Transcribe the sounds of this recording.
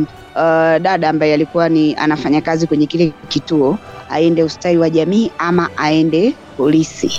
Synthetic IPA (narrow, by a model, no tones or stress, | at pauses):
ɗaɗaːmbajɛalikuwania̰nafaɲakazikwɛɲɛkilɛkituɔa̰ɛndɛustaiwaʄamiːʔamaʔaɛndɛ | pɔlisi